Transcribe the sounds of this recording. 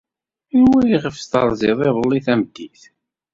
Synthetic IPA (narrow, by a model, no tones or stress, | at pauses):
inwæjiʁəfst̪ɑ̰ɾˤzˤɪðˤeðˤəlːiθæməd̪ːiθ